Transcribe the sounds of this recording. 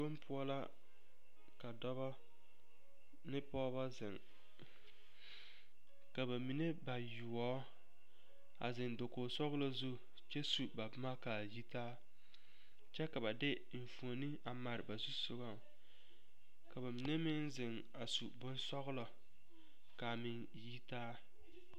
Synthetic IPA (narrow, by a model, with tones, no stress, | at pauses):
o˦m˦pʰʊ˦ɔ˦la˦ | ka˨dɔ˦βɔ˦ | nɪ˦pɔː˦ba˦zɪ˨ŋ | ka˨ba˨mi˨ne˦ba˨jʊ˨ɔː˦ | a̰˨zɪ˨ndo˨koː˨sɔ˦ɣʊ˦lo˦zu˦˨ | t͡ʃɛ˦su˨ba˨bʊ˦ma˦kaː˨ji˦taː˦ | t͡ʃɛ˦ka˨ba˨dɪ˦ɱ̩˨fu˨o˨nɨ˦a˨ma˨ɾɪ˨ba˨zu˦sʊ˦ɡa˦˨ | ka˨ba˨mi˨ne˦mɪ˦nzɪ˨ŋ | a˨su˨bʊ˦nsɔ˦ɣʊ˦lɔ˨ | ka˨mɪ˨n | ji˦taː˦